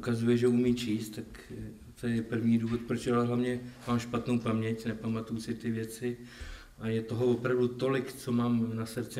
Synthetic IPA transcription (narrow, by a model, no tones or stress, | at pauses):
ukazujɛʒɛumiːt͡ʃiːst̪t̪ak | t̪ojɛpr̩vɲiːduːvo̞t̪̚pɾot͡ʃalɛɦlavɲɛmaːmʃpat̪nowpamɲɛcnɛpamat̪ujusɪt̪ɪvjɛt͡sɪ | ʔajɛt̪o̞ɦovopɾavdut̪o̞lɪkt͡so̞maːmnasɾt͡sɪ